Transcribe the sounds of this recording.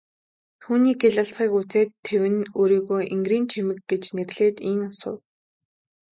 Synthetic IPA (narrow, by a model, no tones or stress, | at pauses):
t̪ʰuːniːɡeɮə̆ɬt͡sχiːkut͡seːt̪ʰːewɘ̆noːɾiːɣoːjʔiŋɡriːnt͡ɕʰemɘ̆kɡet͡ɕnerɮ̥eːt̪iŋasʊ̰̆w